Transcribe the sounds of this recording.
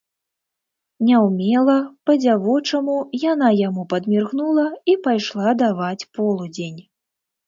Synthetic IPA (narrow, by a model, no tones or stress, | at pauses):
nʲɛwmʲɛlˠɐpɐd͡zʲavɔt͡ʂɐmujanajamupɐd̪mʲirɣnulˠɐipajʂlˠad̪avat͡sʲpɔlˠud͡zʲenʲ